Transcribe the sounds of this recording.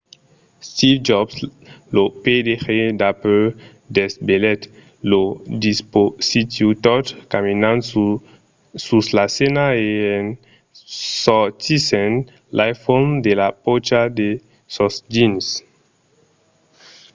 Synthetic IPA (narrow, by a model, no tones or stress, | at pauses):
st̪ifd͡ʒɔbsloped̪exed̪apl | d̪esbelɛt̪ | lod̪isposit̪jut̪ɔt̪kaminãn | suslasenaeen | sɔt̪isẽn | lajfond̪elapot͡ʃad̪e | sosd͡ʒins